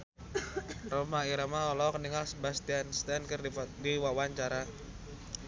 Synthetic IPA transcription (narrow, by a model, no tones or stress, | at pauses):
romaiɾamaɔlɔkəniŋalsəbast̪ianst̪iankərdiwawaɲt͡ʃaɾa